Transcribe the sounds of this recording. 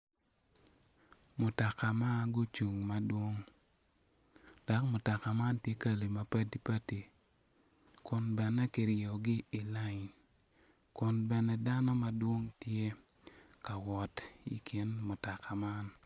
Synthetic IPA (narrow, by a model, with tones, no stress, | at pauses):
mʊ˨ta˨ka˨ma˦ɡʊ˦t͡ʃu˨ŋma˦dwo˦ŋ | d̥a˨˦kmʊ˨ta˨ka˨ma˦ntje˦ka˦li˨ma˦pa˦ti˦pa˦ti˨ | kʊ˨nbɛ˨nɛ˦kɪ˨ɾɔ˨ɡɪ˦ɪ˨la˦˨ɲ | kʊ˨nbɛ˨nɛ˨da˦nɔ˦ma˨dwo˦ŋtje˦ | ka˨wɔ˨tḭ˨kʰi˨˦nmʊ˨ta˨ka˨ma˦n